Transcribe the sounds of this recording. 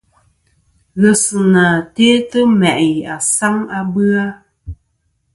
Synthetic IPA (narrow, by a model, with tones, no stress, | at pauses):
ɣə˨sɨ˨na˨teː˦tə˦mɛ˨ʔja˨sa˦ŋa˦bɨ˦a˦